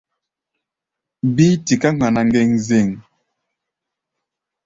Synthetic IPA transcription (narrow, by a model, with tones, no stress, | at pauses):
bi˦ti˨ka˦ŋa˨na˨ŋ˦ɡɛ˦˨ŋze˦˨ŋ